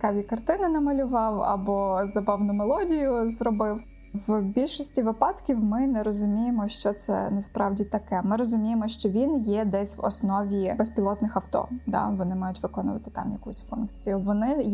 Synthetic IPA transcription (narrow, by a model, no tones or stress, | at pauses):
kɑʋʲikɐrt̪ɪnɪnɐmɐlʲʊʋɑwɐ̰bɔzɐbɑwnʊmelˠɔdʲijʊzrɔbɪw | ʋbʲilʲʃɔsʲtʲiʋɪpɑt̪kʲiwmɪnɛɾɔzʊmʲijemɔʃt͡ʃɔt̪sɛ̰nɛspɾɑwdʲit̪ɐkɛmɪɾɔzʊmʲijemɔʃt͡ʃɔʋʲinjɛd̪ɛsʲʋɔ̰snɔʋʲibespʲilˠɔt̪nɪxɐwt̪ɔ̰d̪ɑ̰ʋɔnɪmɑjʊtʲʋɪkɔnʊ̰ʋɐ̰t̪ɪ̥t̪ɑ̰mjɐkusʲfunkt͡sʲijʊʋɔnɪ